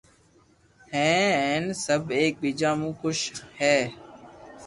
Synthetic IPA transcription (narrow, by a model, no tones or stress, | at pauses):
hɛ̃ːɦɛ̃ːnsəbʱeːk̚ɓiːd͡ʒãːmũːxʊʃhɛː